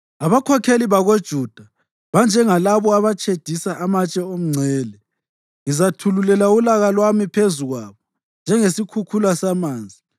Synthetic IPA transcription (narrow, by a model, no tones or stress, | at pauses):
aβakʰɔkʰeliβaɣod̥ʒ̥ʱuːd̥ʱa | βand͡ʒʱɛŋalaβɔaβat͡ʃʰʼed̥ʱisaʔamat͡ʃʼɛom̩ŋ͡ǀʱɛːlɛ | ŋizatʰululɛlaulaɣalwamipʰezuɣwaβɔ | nd͡ʒʱɛŋesikʰukʰulasamaːnd͡zʱi